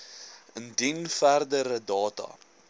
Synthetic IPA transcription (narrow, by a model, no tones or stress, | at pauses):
əndinfærdəɾədɑːtɐ̰